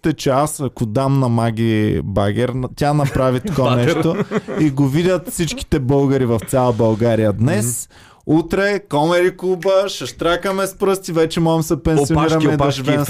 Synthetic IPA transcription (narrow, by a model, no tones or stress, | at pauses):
t̪ɛt͡ʃɛasɐkod̪amnɐmaɡʲibaɡʲɛɾnt̪ʲanɐpɾavit̪o̥kɔnɛʃt̪oiɡovid̪ʲɐt̪fsit͡ʃki̥t̪ɛbɤlˠɡɐɾivɐfsʲjalˠɐbɐlˠɡaɾijɐd̪nɛs | ut̪ɾɛkɔmɛɾiklˠubəʃɐʃt̪ɾakɐmɛspɾɤst̪ivɛt͡ʃɛmɔɡɛmsɛpɛnioniɾɐmɛiɐʒvɛm